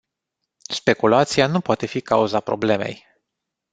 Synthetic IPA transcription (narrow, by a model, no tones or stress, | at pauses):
spe̞kulat̪sianupoat̪e̞fikauzapɾo̞̰ble̞me̞̰j